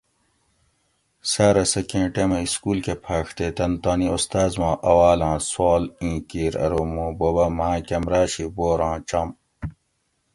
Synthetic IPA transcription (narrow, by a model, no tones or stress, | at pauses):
saːɾɐsɐkẽːʈemɐ̃iskuːlkepʰaːkʰt̪et̪ɐnt̪aːniost̪aːzmãːʔɐwaːlãːswaːlĩːkiːɾɐ̰ɾoːmũːbobɐmãːkɐmɾaːɕiboːɾãːt͡ɕɐm